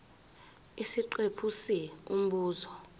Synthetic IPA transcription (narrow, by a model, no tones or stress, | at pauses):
isiǃwepʰusium̩ɓuːzɔ